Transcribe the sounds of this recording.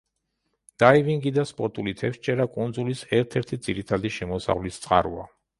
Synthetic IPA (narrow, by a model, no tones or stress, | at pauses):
d̪̥aiviŋɡid̪aspʼɔɾt̪ʼulit̪ʰɛfʃt͡ʃʼɛɾakʼund̪zulisɛɾt̪ʰɛɾt̪ʰid̪z̥iɾit̪ʰad̪iʃɛmɔsa̰ʁvlist̪sʼqʼa̰ɾṵa